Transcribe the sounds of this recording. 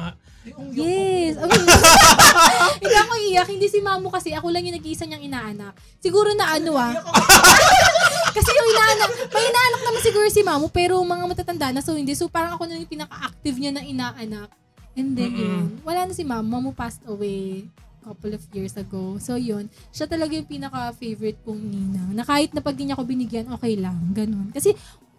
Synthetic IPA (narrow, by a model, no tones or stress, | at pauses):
jɛsɐ | hɪnd̪iɐkoʔiːjɐkhɪnd̪iːsɪmaːmokɐsɛʔɐkolɐŋjʊŋnɐɡiʔisɐɲɐŋɪnaːʔɐnɐk̚ | sɪɡuːɾonɐʔɐnoa | kɐsɛjʊŋɪnaːʔɐnakmɐʔɪnaːʔɐnɐk̚nɐmansɪɡuːɾosɪmamopɛːɾomɐŋamɐt̪aːt̪ɐnd̪aʔɐnɐsohɪnd̪ɛsopaːɾɐŋɐko̞nɐjpinɐkaʔak̚t̪ɪvɲanɐŋʔɪnaːʔɐnak̚ | ʔɛnd̪ɛnjʊnwɐlaːnɐsɪmamːɐmʊpast̪ɐwejkɐplɔvjiɹsɐɡowso̞jon | ʃat̪ɐlɐɡajʊŋpiːnɐkɐfejvɔɾɪt̪̚kʊŋniːnɐŋnɐkaːhɪt̪̚nɐpɐɡ̚d̪ɪɲɐko̞bɪnɪɡjɐnʔo̞ːkɛjlɐŋɡɐno̞nkɐsɛ